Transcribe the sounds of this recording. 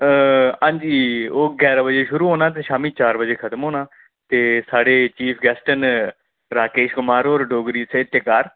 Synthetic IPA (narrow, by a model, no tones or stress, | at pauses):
ãːɲd͡ʒiːoːɡɛːɾaːbəd͡ʒeːʃʊɾuːɦoːnaːt̪̬eːʃaːmiːt͡ʃaːɾbəd͡ʒeːkʰət̪əmɦoːnaː | t̪eːsaːɽeːt͡ʃiːpʰɡɛːsʈən | ɾaːkeːʃkʊmaːɾoːɾɖoːɡɾiːseːt̪jəkaːɾ